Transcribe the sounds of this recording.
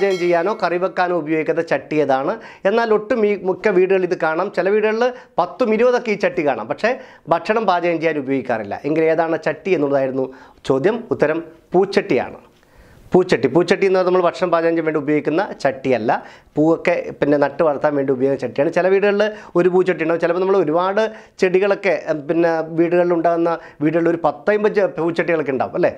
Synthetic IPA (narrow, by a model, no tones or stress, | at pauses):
d͡ʑɐjɐmt͡ɕejːaːno̞ːkɐriʋɐkːaːno̞ːubɐjoːɡik̪ʲːɐðɐt͡ɕɐʈːijeðaːɳɨe̞nːaːlo̞ʈːumimukːɐʋiːɽɨɣɐɭiðɨkaːɳaːmt͡ɕelɐʋiːɽɨɣɐɭːɨpɐt̪ːumiɾuʋɐðo̞kːeiːt͡ɕɐʈːikaːɳa̰ːmpɐkʂe̞ | bʱɐʈʂɐɳɐmbaːd͡ʑɐjɐmt͡ɕejːaːnubɐjoːɡikʲːa̰ːrilːɐ̰ʔe̞ŋɡileːðaːɳɨt͡ɕɐʈːienːuɭːɐðaːjiɾunːu | t͡ɕo̞ːd̪jɐmut̪ːɐɾɐmpuːt͡ɕːɐʈːija̰ːɳɨ̰ | puːt͡ɕːɐʈːipuːt͡ɕːɐʈːienːuɐnɐmːɐɭbʱɐʈʂɐɳɐmbaːd͡ʑɐjɐɲd͡ʑɐmʋeːɳɖiubɐjoːɡikʲːunːɐt͡ɕɐʈːijɐlːɐpuːokːe̞pinːe̞nɐʈːɨʋɐɾt̪ːaːnʋe̞ːɳɖiubɐjoːɣɐnɐt͡ɕɐʈːijaːɳɨt͡ɕilɐʋiːɽuɣɐɭio̞ɾupuːt͡ɕːɐʈːiuɳɖaːʋmt͡ɕilɐpːonɐːɐɭo̞ɾubaːɽɨt͡ɕeɽiɣɐɭo̞kːe̞pinːeʋiːɽuɣɐɭiluɳɖaːɣunːɐ | ʋiːɽuɣɐɭilo̞ɾupɐt̪ːɐjumbɐpuːt͡ɕːɐʈːiɣɐɭokːeuɳɖa̰ːʋṵmɐlːe̞ː